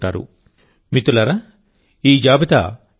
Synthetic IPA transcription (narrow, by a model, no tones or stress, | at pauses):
ʈːa̰ːɾṵ | mit̪ulɐɾa | iːd͡ʒaːbit̪a̰